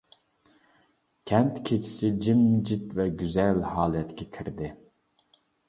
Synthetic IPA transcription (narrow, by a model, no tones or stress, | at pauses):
kʲʰɛnt̪kʲʰet͡ʃʰi̥sɪd͡ʒimd͡ʒit̪vɛɡʲyzɛlhɑːlˠɛt̪kʲʰɛkʲʰiɾd̪ɪ